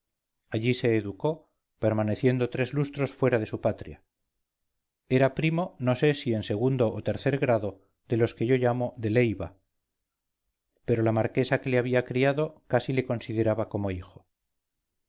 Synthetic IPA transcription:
aʎise̞ːðuko̞ | pe̞ɾmane̞θje̞nd̪o̞t̪ɾe̞zlust̪ɾo̞sfwe̞ɾaðe̞supat̪ɾja | e̞ɾapɾimo̞no̞se̞sie̞nse̞ɣ̞und̪o̞ʔːt̪e̞ɾθe̞ɾɣɾaðo̞ | ðe̞lo̞ske̞ʝo̞ʝamo̞ðe̞le̞jβa | pe̞ɾolamaɾke̞sake̞leaβiakɾiaðo̞kasile̞ko̞nsiðe̞ɾaβako̞mo̞ixo̞

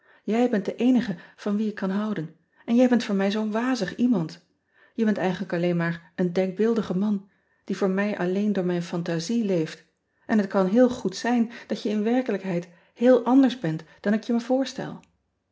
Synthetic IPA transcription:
jɛjbɛntdəʔejnəχəv̥ɑnʋiɪkːɑnɦʌwdən | ʔɛnjɛjbɛntfʊːɹmɛjzownʋaːzəχimɑnt | jəbɛntɛjχənləkɑlejnmaːɹʔəndɛŋɡ̚bɪlˠdəχəmɑn | d̥ivʊːɹmɛjʔɑlejndʊːɹmɛjnfɑntazilejft | ʔɛnɦətkɑnɦɪːlˠχutsɛjnd̥ɑtjəɪnʋɛɹkələkɦɛjt | hɪːlˠʔɑndəɹzbɛntd̥ɑnɪkjəməv̥ʊːɹstɛ̰lˠ

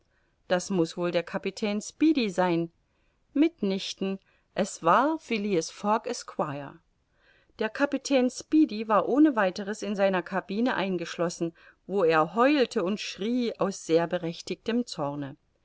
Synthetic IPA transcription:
d̥asmʊsv̥oːldeːɐkʰapitʰɛːnspiːdizaɪn | mɪtnɪçtn̩ | ʔɛsv̥aːɐfiliəsfɔkɛskʰw̥aɪɐ̰ | d̥eːɐkʰapitʰɛːnspiːdivaːɐʔoːnəvaɪtəʁəsɪnzaɪnɐkʰabiːnəʔa̰ɪnɡəʃlɔsn̩ | voːeːɐɦɔʏltʰəʊntʃʁ̥iːaʊsz̥eːɐbəʁɛçtɪçtəmt͡sɔɐnə

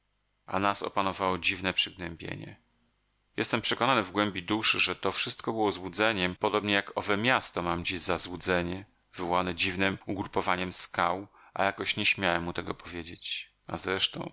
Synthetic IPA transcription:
ʔa̰nasɔ̰panɔvawɔd͡ʑivnɛpʂɘɡnɛmbʲjḛɲɛ̰ | jɛst̪ɛmpʂɛkɔnanɘvɡwɛmbʲid̪uʂɘʐɛt̪ɔfʂɘst̪̚kɔbɘwɔzwud̪zɛɲɛmpɔd̪ɔbɲɛjakɔvɛmʲjast̪ɔmamd͡ʑiʑzazwud̪zɛɲɛ | vɘvɔwanɛd͡ʑivnɘmuɡɾupɔvaɲɛmskaw | ʔa̰jakɔɕɲeɕmʲjawɛmːut̪ɛɡɔpɔvʲjed͡ʑet͡ɕ | a̰zɾɛʂt̪ɔ̰̃w̃

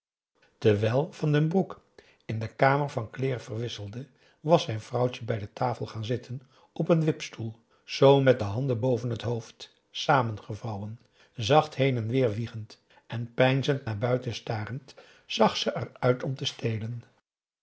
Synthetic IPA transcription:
təʋɛlˠv̥ɑndənbruk | ɪndəkaːməɹvɑnklɪːrv̥ərʋɪsəlˠdə | ʋɑsɛjnv̥rʌwcəbɛjdətaːfəlˠχaːnzɪtʰən | ʔɔpənʋɪpstulˠ | z̥owmɛt̚dəɦɑndənbowvənɦətɦowft | saːmənχəvɑwən | zɑχtɦejnɛnʋɪːɹʋiχənt | ʔɛnpɛjnzəntnaːɹbœɥtəstaːrənt | z̥ɑχsəʔɛrœɥtʰɔmtəstejlən

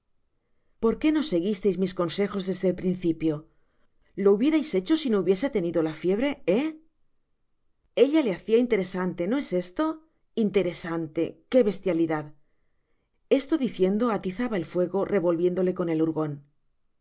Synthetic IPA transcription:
po̞ɾke̞no̞se̞ɣist̪e̞jzmisko̞nse̞xo̞zðe̞zðelpɾinθipjo̞ | lo̞uβje̞ɾajse̞t͡ʃo̞sino̞uβje̞se̞t̪e̞niðo̞lafje̞β̞ɾe̞e | e̞ʎale̞aθiaint̪eɾe̞sant̪e̞no̞e̞se̞st̪o̞ | int̪e̞ɾe̞sant̪e̞̰ke̞βe̞st̪jaliðað | e̞st̪o̞ðiθje̞nd̪o̞at̪iθaβaelfwe̞ɣo̞rʔe̞βo̞lβje̞nd̪o̞le̞ko̞ne̞luɾɣo̞n

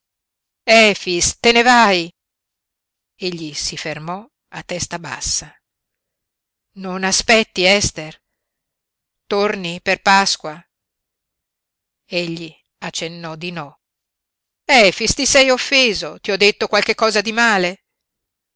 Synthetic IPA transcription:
ɛfist̪enevaj | eʎːisifermɔ | at̪ːɛst̪aba̰sːa | nonaspɛt̪ːiɛst̪er | t̪orniperpaskwa | eʎːi | at͡ʃːenːɔd̪inɔ | ɛːfist̪isɛjofːeːzot̪iɔd̪ːet̪ːokwalk̟ekːɔːzad̪imaːle

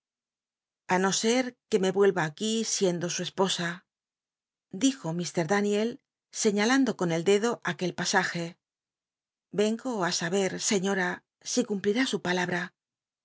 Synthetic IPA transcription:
ano̞se̞ɾke̞me̞βwe̞lβaːkisje̞nd̪o̞sue̞spo̞sa | d̪ixo̞mist̪e̞ɾðanje̞l | se̞ɲaland̪o̞ko̞ne̞ld̪e̞ðo̞ʔake̞lpasaxe̞ | be̞ŋɡoasaβ̞e̞ɾse̞ɲo̞ɾa | sikumpliɾasupalaβɾa

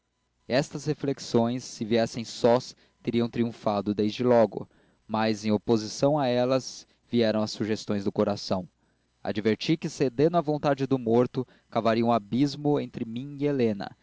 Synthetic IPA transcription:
ɛst̪ɐshefleksõj̃sːɪviɛsẽj̃sɔs | t̪eɾiɐ̃w̃t̪ɾiũfad̪ʊd̪ejzd͡ʒɪlɔɡʊ̰ | majzẽj̃opozisɐ̃w̃aɛlɐz | viɛɾɐ̃w̃ɐsːuʒest̪õj̃zd̪ʊkoɾasɐ̃w̃ | a̰d͡ʒiveɾt͡ʃikɪsed̪ẽnʊɐvõnt̪ad͡ʒɪd̪ʊmoɾt̪ʊ | kavaɾiɐũabizmʊẽnt̪ɾɪmĩielẽnɐ̰

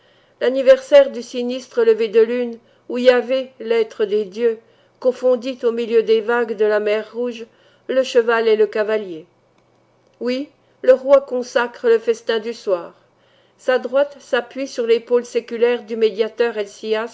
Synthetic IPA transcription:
lanivɛʁsɛʁd̪ysinist̪χələved̪əlyn | uiavɛlɛt̪χəd̪ed̪jø | kɔ̃fɔ̃d̪it̪omiljød̪evaɡd̪əlamɛʁːuʒ | ləʃəvaleləkavalje | wi | ləʁwakɔ̃sakχələfɛst̪ɛ̃d̪yswaːʁ | sad̪ʁwat̪sapɥisyʁlepolsekʲylɛʁd̪ymed̪jat̪œʁelsias

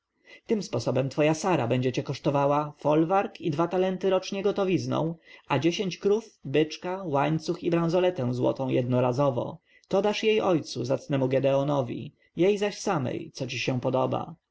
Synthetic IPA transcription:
t̪ɘmspɔsɔbɛmt̪fɔjasaɾa̰bɛɲd͡ʑɛt͡ɕɛkɔʂt̪ɔvawafɔlvaɾkid̪vat̪alɛnt̪ɘɾɔt͡ʂɲɛɡɔt̪ɔvʲiznɔ̰̃w̃ad͡ʑeɕeɲt͡ɕkɾufbɘt͡ʂkawaɲt̪suxibɾãw̃zɔlɛt̪ɛ̃w̃zwɔ̰t̪ɔ̃w̃jʔɛd̪nɔɾazɔvɔ̰ | t̪ɔd̪aʂjejʔɔjt̪suzat̪snɛmuɡɛd̪ɛɔnɔvʲḭ | jejzaɕsamɛ̰jt̪sɔt͡ɕiɕɛ̃pɔd̪ɔba̰

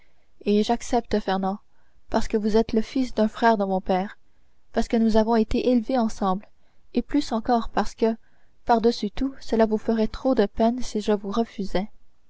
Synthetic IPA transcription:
eʒaksɛp̚t̪əfɛʁnɑ̃ | paʁsə̥kəvuzɛt̪ləfisd̪ɛ̃fχɛʁd̪əmɔ̃pɛːʁ | paʁsə̥kənuzavɔ̃et̪eʔelveɑ̃sɑ̃bl | eplysɑ̃kɔːʁpaʁsə̥kə | paʁd̪əsyt̪usəlavufəʁɛt̪χod̪əpɛnsiʒəvuʁəfyzɛ

